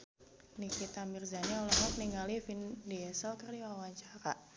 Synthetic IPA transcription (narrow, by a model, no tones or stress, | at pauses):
nikit̪amirzaniɔlɔhmɔkniŋɡalifindiɛsəlkərdiwawaɲt͡ʃaɾa